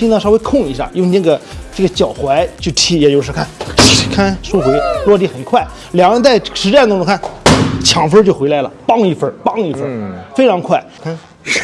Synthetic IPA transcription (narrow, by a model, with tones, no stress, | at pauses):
t̪ɑ˥˧ʂɑ˥ʊ˧˥ɪkʰʊ˥˩ŋi˧˥ɕjɑ̰˥˩ŋjʊ˥˩ŋ˧nə˥˩ɡə˩ʈ͡ʂɡə˩t͡ɕjɑ˨˩ʊxwa˧˥ɪt͡ɕjo˥˩t̪ʰi˧˥˩jɛ˧˩jo˧˥˧ʂɻ̩˥˧kʰa˥˩n˧˥˩kʰa˥nʂu˥xwe˧˥ɪlwɔ˥˧t̪i˧˥˩xə˨˩nkʰwa˥˩ɪ | ljɑ˨˩ŋɻə˧˥nt͡sa˥˩ɪʂɻ̩˧˥ʈ͡ʂnt̪ŋ˧ʈ͡ʂʊ˧˥ŋkʰa˥˩nt͡ɕʰjɑ˧˥ŋfə˥t͡ɕjo˥˩ʊxwɪla˧˥ɪlə̰˨pɑ˥˧ŋi˥˩fə˥˩pɑ˥˧ŋi˥˧fə˥˧˩fe˥ɪʈ͡ʂʰɑ˧˥ŋkʰwa˥˩ɪkʰa˥n